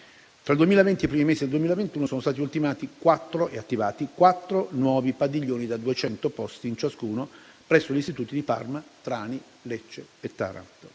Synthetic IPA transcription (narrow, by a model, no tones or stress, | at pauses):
t̪ɾaild̪uemiːlavɛnt̪ip̬ɾimimeːsid̪eld̪uemiːlavent̪uːnosoːnost̪aːt̪iult̪imaːt̪ikwat̪ːɾoʔeat̪ːivaːt̪ikwat̪ːɾonwɔːvipad̪iʎːoːnid̪ad̪uet͡ʃɛnt̪opɔst̪iːnt͡ʃaskuːno | pɾɛsːoʎist̪it̪uːt̪id̪ipa̰rmat̪ɾaːni | let͡ʃːeet̪ːa̰ɾa̰nt̪o̥